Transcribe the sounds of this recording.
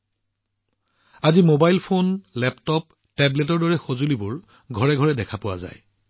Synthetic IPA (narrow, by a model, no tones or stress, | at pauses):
azimobajlpʰonlɛptɔp | tɛbletɔɹdɔɹɛxozulibʊɹ | ɡʱɔɹɛɡʱɔɹɛdɛkʰapʊwa̰za̰j